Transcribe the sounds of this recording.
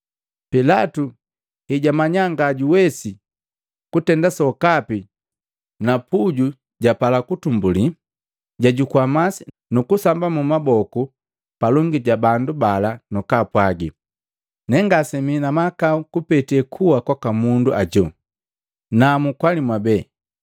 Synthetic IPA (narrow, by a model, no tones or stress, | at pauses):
pilatu | hiɟamaɲaŋɡaɟuwɛsi | kutɛndasɔkapi | napuɟu | ɟapalakutumbuli | ɟaɟukwamasi | nukusambamumabɔku | palɔŋɡiɟabandubalanukapwaɡḭ | nɛŋɡasɛminamakaukupɛtɛkʰuwakwakamunduʔaɟɔ | namukwalimwabɛː